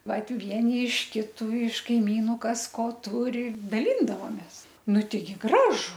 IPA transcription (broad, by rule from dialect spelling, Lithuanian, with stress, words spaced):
ˈʋɐt ˈʋʲiɛnʲɪ ɪʃ ˈkʲɪtʊ ɪʃ kɐɪˈmʲiːnʊ ˈkɐs ˈkoː ˈtʊrʲɪ dɐˈlʲiːndɐʋoːmʲeːs ˈnʊ ˈtʲɛɪɡʲɪ ˈɡrɑːʒʊ